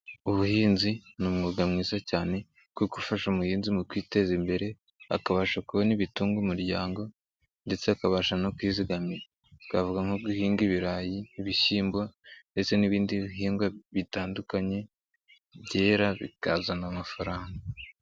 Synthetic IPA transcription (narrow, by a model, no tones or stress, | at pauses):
uβuhiːnzinumŋuɡamŋiːzacaːne̞ | kukufaʃumuhiːnzimukwiːte̞zimbe̞ɾe̞ | a̰kaβaːʃakuβo̞niβituːŋɡumuɾɟaːŋɡo̞ | nde̞t͡seakaβaʃanokwiːziɡame | βkavuɡaŋoɡuhiːŋɡiβiɾaːjiːβisiːmbwande̞t͡se̞niβiːndiβiɦiːŋɡwaβitaːndukaɲe̞ | βɟe̞ːɾaβḭkazanamafaɾaːŋɡa